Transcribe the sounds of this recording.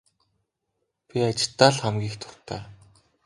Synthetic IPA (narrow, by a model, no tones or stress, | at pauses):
pʲiat͡ɕɪ̥̆ɮt̪ːaːɮχamɡʲiːxt̪ʰʊ̥r̥t̪ʰæ̰ː